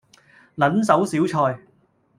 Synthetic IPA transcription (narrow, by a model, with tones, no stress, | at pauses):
lɐ˨˥nsɐ˨˥wsiː˨˥wt͡ʃʰɔː˧j